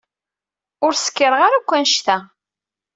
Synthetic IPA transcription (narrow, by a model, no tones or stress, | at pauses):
ʊɾsə̥kːəɾəʁaɾakʷːænʃt̪æ